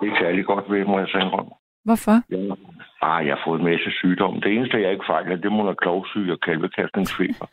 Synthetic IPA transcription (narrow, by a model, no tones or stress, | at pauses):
d̥e̝eɡ̥sæɐliɡ̥ɒ̽d̥ʋemɒjɑ̈senʁɔn̰ | ʋɒfɒjɑɑjɑ̈hɑ̈fɔ̽ːð̞̩ˠmæsəsyːd̥ɒ̽m̰d̥e̝e̝ːnəsd̥əjɑ̈e̝ɡ̥əfɑ̈ɪlhəd̥e̝monækʰlɒʊsy̰ːɒkʰælʋəkʰæsd̥ne̝ŋsfe̝̰ːb̥ɐ